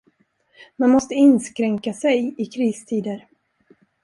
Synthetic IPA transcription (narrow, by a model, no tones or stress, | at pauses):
manmɔst̪əɪnskɾɛŋkasɛjɪkʰɾiːst̪ʰiːd̪əɾ